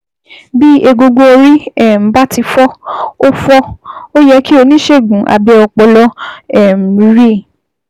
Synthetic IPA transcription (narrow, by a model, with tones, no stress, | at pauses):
bi˦e˧ɡo˧ɡo˧o˧ɾi˦ɛ˦˨m̩˨ba˦ti˧fɔ˦o˦fɔ˦o˦jɛ˧˦ki˦o˧nĩ˦ʃe˦˨ɡũ˨˦ʔa̰˧bɛ˧ɔ˧k͡pɔ˧lɔ˦ɛ˦˨m̩˨bi˨˦ɾi˦˨